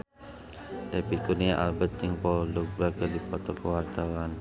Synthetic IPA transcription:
ʔepikuniaʔalbət̪̚iŋpɔlduk̚bɾaɡədipɔt̪ɔkəwart̪awan

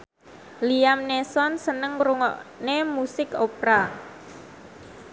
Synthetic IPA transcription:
liamnesɔnsənəŋɾuŋɔ̰ʔnemusɪkopɾa

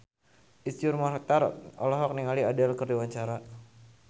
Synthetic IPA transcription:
ʔist̪iurmaɾak̚t̪arɔ̰lɔɦɔk̚niŋaliadalkərdiwaɲt͡ʃaɾa

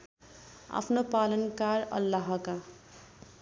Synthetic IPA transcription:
a̰pʰnopalʌnkaɾʌ̰lːaɦka

